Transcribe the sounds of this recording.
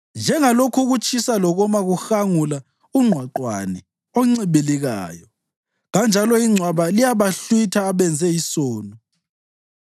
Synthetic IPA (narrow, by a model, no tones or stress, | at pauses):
nd͡ʒʱɛŋalokʰuɣut͡ʃʼisalɔɣɔmaɣuxaŋula | uŋ͡ǀʱwaǃwa̰nɛ | ɔŋ͡ǀiβiliɣa̰ːjɔ | ɣand͡ʒʱalɔiŋ͡ǀʱwaβalijaβaɬwitʰaːβɛnd͡zʱɛjisɔːnɔ